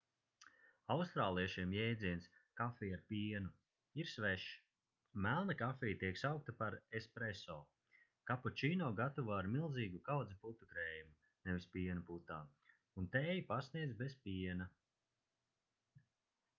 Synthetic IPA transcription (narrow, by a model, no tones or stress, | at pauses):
awst̪ɾaːlˠiɛʃiɛmjɛjd̪ziɛnskafiːaɾpʲiɛnu | iɾsvɛʃ | mælˠnakafʲiːjt̪iɛksawk̚t̪apaɾespɾesɔː | kapɔt͡ʃiːnɔːɡat̪uvaːɾmilˠziːɡukawd̪ziput̪ukɾɛːjumu | nɛvispiɛnuput̪aː | unt̪ɛːjipasniɛd̪zbespʲiɛna